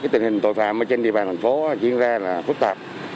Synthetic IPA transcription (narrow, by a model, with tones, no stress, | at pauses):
aː˨˦jt̪ï˨˩ŋhï˨˩ŋ̟t̪o˧˨jfa̰ː˧˨mʔəː˧˩t͡ɕe˧nɗḭ˨˧˨əɓaː˨˩nt̪ʰa˨˩ŋ̟fo˨˦˧t͡ɕḭ˧ənzaː˧laː˨˩fɨ˦˥k̚t̪a˨˩p̚